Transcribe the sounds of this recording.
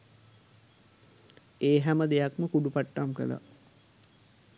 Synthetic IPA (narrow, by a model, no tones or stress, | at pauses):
eːɦæməd̪ejakməkuɖupaʈːamkə̰la̰